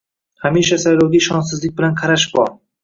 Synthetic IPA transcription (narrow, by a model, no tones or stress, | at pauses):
hameʃasajlowɡʲaʃɒnsɪzlɪk̚ʲbɪlanqʰɑɾaʃbɒɾ